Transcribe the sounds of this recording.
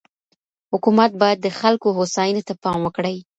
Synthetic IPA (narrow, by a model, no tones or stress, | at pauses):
hʊkumat̪̚bɑjad̪ːəxalkoɦosɑjənot̪apɑmwəkɽəj